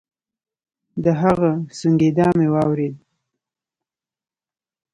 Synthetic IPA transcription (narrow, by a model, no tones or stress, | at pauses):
d̪əɦaɣasuŋɡed̪ɑmewɑwɾed̪̚